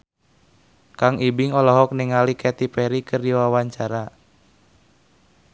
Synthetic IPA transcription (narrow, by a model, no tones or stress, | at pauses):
kaŋibiŋɔlɔɦɔk̚niŋalikɛt̪ipɛɾikɨrdiwawaɲt͡ʃaɾa